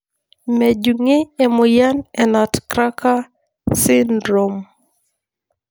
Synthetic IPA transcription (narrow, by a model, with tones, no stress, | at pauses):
mɛ˨d͡ʒu˨ŋɪ˦e˨mʊ˨ja˦nɛ˨na˨tkɾa˦ka˦ | sɪ˦ndɾo˨m